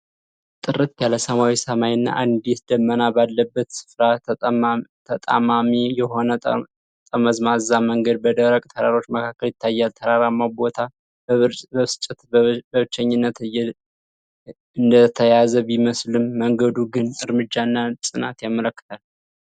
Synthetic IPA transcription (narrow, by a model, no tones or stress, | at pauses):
t̪ʼɨɾɨt̪jaləsəmawisəmajɨnːa̰ʔand̪et̪d̪əmːənabalːəbːət̪sɨ̥fɾa | t̪ʰət̪ʼa̰mamijɛho̞nə | t̪ʼəməzmazaməŋɡəd̪̚bəd̪əɾəkʼt̪ʰəɾaɾo̞t͡ʃːməkʰakːəljɪt̪ʰːajːalt̪ʰəɾaɾamːabo̞t̪ʰa | bəst͡ʃʼːət̪bəβɨt͡ʃːəɲːɨnːət̪ːɛ | ɨnd̪ət̪ʰəjazəbiməslɨmːəŋɡəd̪uɡɨnɨɾmɨd͡ʒːaɨnːasʼɨnat̪jamələkːɨ̥t̪ʰal